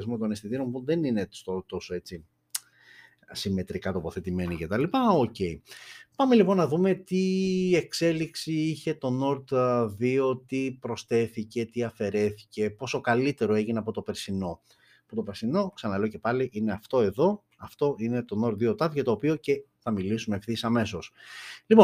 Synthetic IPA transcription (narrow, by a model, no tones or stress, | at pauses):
zmot̪o̞nest̪iðiɾo̞mpuðe̞ninesot̪o̞soe̞t͡si | sime̞t̪ɾikɐt̪o̞poθe̞t̪ime̞nice̞t̪ɐlipɐoce̞ipɐme̞lipo̞nːɐðume̞t̪ie̞kse̞liksiiçe̞t̪o̞no̞ɾt̪ðio̞t̪ipɾo̞sθe̞θice̞t̪iɐfe̞ɾe̞θi̥ce̞po̞so̞kɐlit̪e̞ɾoe̞ʝineɐpo̞t̪o̞peɾsino̞ | ɐpot̪opesino̞ksɐnɐle̞ce̞pɐliʔine̞ɐft̪o̞e̞ðo̞ | ɐft̪o̞ine̞t̪o̞no̞ɾt̪ðio̞t̪ɐðcɐt̪o̞ːpio̞ce̞θɐmilisumefθisɐme̞so̞slipo̞n